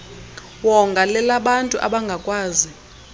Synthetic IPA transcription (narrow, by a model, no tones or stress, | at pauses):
wɔŋɡʱalɛlaɓantʼuʔa̰ɓaŋɡʱakʼwaːzi